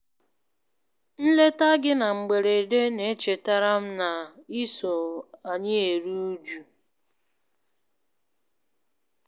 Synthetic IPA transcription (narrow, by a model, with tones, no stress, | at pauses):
n̩˦le˦ta˦ɡɪ˦na˨ŋ͡m̩˨ɡ͡be˨ɾe˨de˦ne˨˦t͡ʃe˨ta˦ɾa˦m̩˦na˨i˦so˨a˨ɲɪ˦e˨ɾu˦u˦d͡ʒu˨